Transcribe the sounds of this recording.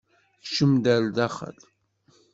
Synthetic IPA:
θʃəmd̪æld̪æχə̰l

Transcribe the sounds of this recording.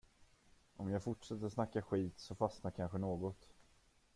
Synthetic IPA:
ʔɔmjɑːɡfʊʈʂɛt̪ːəɾsnakːaɧiːt̪sɔfasnakʰanɧənoːɡɔt̪

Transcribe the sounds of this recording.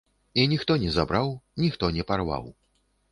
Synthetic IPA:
inʲixt̪ɔnʲɛzabɾawnʲixt̪ɔnʲɛparva̰w

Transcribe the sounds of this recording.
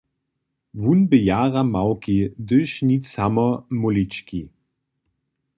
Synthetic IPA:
vunbəjaːʁamawkid̪ɵʃnit͡samɐmʊlit͡ʃki

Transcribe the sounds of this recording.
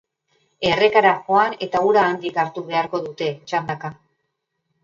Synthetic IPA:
e̞re̞kaɾaxo̞ane̞t̪auɾaːnd̪ikaɾt̪uβe̞aɾko̞ðut̪e̞t͡ʃand̪aka

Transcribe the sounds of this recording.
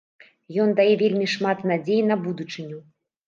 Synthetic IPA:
jɔnd̪ajɛvʲelʲmʲiʂmat̪nad͡zʲejinɐbud̪ut͡ʂɨnʲu

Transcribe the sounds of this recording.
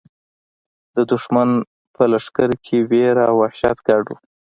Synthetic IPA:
d̪̥əd̪ʊʃman | pʰəlaʂkaɾkʰeweɾawːahʃa̰t̪ɡaɖu

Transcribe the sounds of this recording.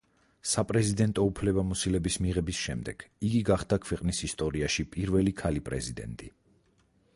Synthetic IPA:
sapʼɾɛzid̪ɛnt̪ʼɔupʰlɛbamɔsilɛbismiʁɛbisʃɛmd̪ɛɡ̥iɡiɡaχd̪akʰwɛqʼnisist̪ʼɔɾiaʃipʼiɾvɛlikʰalipʼɾɛzid̪ɛ̰nt̪ʼi

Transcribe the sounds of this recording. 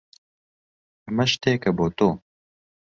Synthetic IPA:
mɐʃt̪eːkɐboːt̪oː

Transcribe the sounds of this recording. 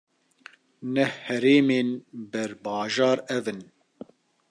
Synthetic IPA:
nɛhhɛɾeːmeːnbɛɾbɑːʒɑːɾɛvɨn

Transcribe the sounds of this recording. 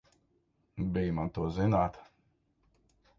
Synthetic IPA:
bijmant̪uɔzinaːt̪

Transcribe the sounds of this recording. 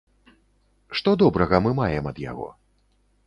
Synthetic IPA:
ʂt̪ɔd̪ɔbɾɐɣɐmɨmajɛmɐd̪ja̰ɣɔ̰

